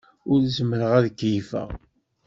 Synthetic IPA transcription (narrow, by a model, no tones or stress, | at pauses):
ʊɾzəməɾəʁæðəkːjifə̰ʁ